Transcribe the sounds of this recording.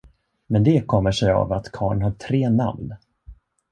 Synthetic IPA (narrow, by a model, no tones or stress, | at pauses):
mɛnd̪ɛkʰɔmːəʂɛja̰vat̪kʰɑːɳhaʈʰɾeːna̰mn